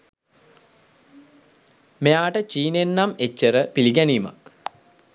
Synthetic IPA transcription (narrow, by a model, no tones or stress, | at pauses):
mejaːʈət͡ʃiːnenːamet͡ʃːəɾəpiliɡɛniːma̰k